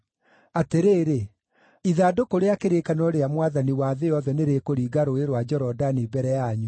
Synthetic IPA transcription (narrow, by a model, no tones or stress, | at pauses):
ateɾeːɾe | iðaːdokoɾeakeɾekanɔɾeamwaðaniwaðeɔðɛneɾekoɾiːɡaɾoeɾwad͡ʑɛɾɔdanibɛɾɛjaɲu